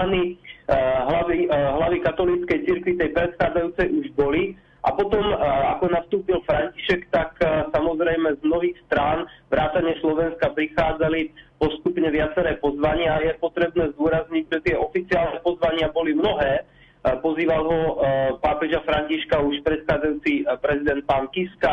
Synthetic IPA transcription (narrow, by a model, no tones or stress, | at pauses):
ani | ɦlaiɦlaʋikat̪ɔlit͡skɛjt͡siɾkʋit̪ɛjpɾɛt̪xaːd͡zajuːt͡sɛjuʒbɔli | ʔa̰pɔt̪ɔmakɔnast̪uːpilfɾaɲci̥ʃɛkt̪aksamɔzɾɛjmɛzmnɔɦiːxst̪ɾaːnʋɾaːt̪aɲɪɛslɔʋɛnskapɾixaːd͡zalipɔst̪upɲɛʋɪat͡sɛɾɛːpɔzʋaɲɪajɛpɔt̪ɾɛbnɛːzd̪ʊɔɾazɲiɟʒɛt̪ɪɛʔɔfit͡siaːlnɛpɔzʋaɲɪabɔlimnɔɦɛː | pɔziːʋalɦɔpaːpɛʒafɾaɲciʃkauʃpɾɛt̪xaːd͡zajuːt͡sipɾɛzid̪ɛnt̪̚paŋkiska